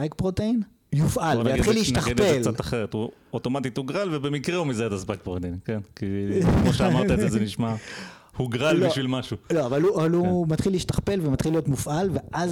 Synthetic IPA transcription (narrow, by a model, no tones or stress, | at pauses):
ajk̚pʁot̪ein | jufʔaljatχilːeiʃt̪aχnelt͡sat̪aχeʁet̪uot̪omat̪it̪uɡʁalvebemikʁehumizeet̪azbajkpʁot̪einkenkikmoʃeamaʁt̪aezezeniʃma | huɡʁalbliʃvilmaʃuloavaluʔaalumat̪χiliiʃt̪aχpe̞lvemat̪χilːijo̞t̪mufʔalveʔaz